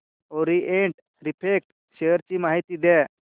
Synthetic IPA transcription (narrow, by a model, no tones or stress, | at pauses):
oɾiʔẽɳʈ | ɾipʰek̚ʈ | ɕejəɾt͡ɕiːmaɦit̪iːd̪ɛ